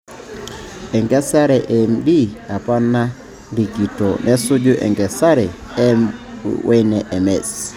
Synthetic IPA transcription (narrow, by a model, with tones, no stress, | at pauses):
ɛ˨ŋɡɛ˦sa˦ɾɛ˨ʔɛ˨mdi˦a˨pa˦na˦ | ɾi˨ɡi˨to˨nʔɛ˦sʊ˦d͡ʒʊ˦ʔɛ̰˨ŋɡɛ˨sa˦ɾɛ˨ | ɛ˦wɛ˦nɛ˨ʔɛ˨mɛ˨s